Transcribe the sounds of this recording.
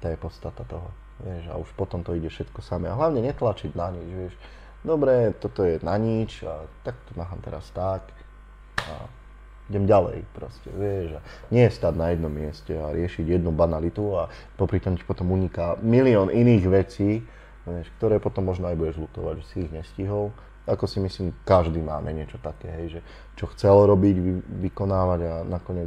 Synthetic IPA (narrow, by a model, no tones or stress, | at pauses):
t̪aːjɛpɔt̪st̪at̪at̪ɔɦɔ | ʋɪɛʒa̰uʃpɔt̪ɔmt̪ɔiɟɛfʃɛt̪kɔsamɛaɦlaʊɲɛɲɛt̪lat͡ʃid̪naɲit͡ʃʋɪɛʃ | d̪ɔbɾɛt̪ɔt̪ɔjɛnaɲit͡ʃat̪ak̚t̪ɔmaːɦamt̪ɛɾa̰st̪ak | a̰ | iɟɛmɟalɛ̰jpɾɔscɛ̰ʋɪɛʒa | ɲɛjɛst̪ad̪najɛd̪nɔmːɪɛscɛaɾɪɛʃiɟjɛd̪nubanalit̪ua | pɔpɾit̪ɔmɛi̥pɔt̪ɔmuɲikamiliɔnʔiniːɣʋɛt͡siː | ʋɛʃk̚t̪ɔɾɛːpɔt̪ɔmːɔʒnɔajbuɟɛʒlut̪ɔ̰ʋa̰ɟʒɛsiːɣɲɛsciɦɔl | akɔsimisliːmkaʒd̪iːma̰ːmʔɛɲɪɛt͡ʃɔt̪akɛ̰ːɦɛjʒɛ | t͡ʃɔxt͡sɛlɾɔbiɟʋikɔnaːʋaɟanakɔɲɛ